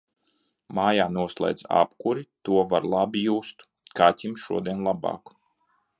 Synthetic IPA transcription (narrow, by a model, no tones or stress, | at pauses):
maːjaːnuɔslˠa̰jd̪za̰pkuɾit̪uɔvaɾlˠabijuːst̪ | kat̪ʲimʃuɔd̪iɛnlˠabɑ̰ːk